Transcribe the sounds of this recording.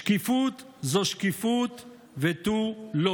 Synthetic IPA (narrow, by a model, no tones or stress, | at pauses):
kifut̪ | zoʃkifut̪ | vet̪ulo